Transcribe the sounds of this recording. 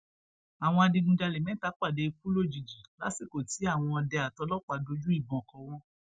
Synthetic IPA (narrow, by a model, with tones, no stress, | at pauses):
a˨w̃ɔ̃˧a˧dĩ˧ɡũ˧da˧le˨mɛ̃˨˦ta˨˦k͡pa˦˨de˨˧ku˦lo˦˨d͡ʒi˨d͡ʒi˨la̰˨˦si˦˨ko˨ti˨˦a˦˨w̃ɔ̃˧ɔ˧dɛ˧a˨tɔ˨˧˦lɔ˦k͡pa˧do˧˦d͡ʒu˦i˦˨bɔ̃˧ɔ˨kɔ̃˨˦w̃ɔ̃˦